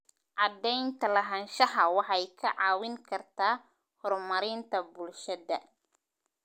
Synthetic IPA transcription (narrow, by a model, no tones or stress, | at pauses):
ʕɑd̪ɛjnt̪ʰɐlɐɦɐnʃɐɦɐwɑħɑjkʰɐʕɑːwɪŋkʰɐrt̪ʰaː | hɔrmɐɾɪnt̪ʰɐbʊlʃɐðɐ